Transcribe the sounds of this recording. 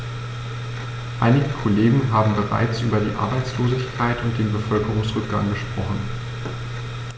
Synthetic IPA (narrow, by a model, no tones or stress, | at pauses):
ʔa̰ɪnɪɡəkʰoleːɡŋ̩ɦaːbm̩bəʁa̰ɪt͡sʔyːbɐdḭːʔa̰ɐbaɪt͡sloːzɪçkʰaɪtʊnt̚d̥eːnbəfœlkəʁ̞ʊŋsʁ̥ʏk̚ɡ̥a̰ŋɡəʃpʁ̥ɔχn̩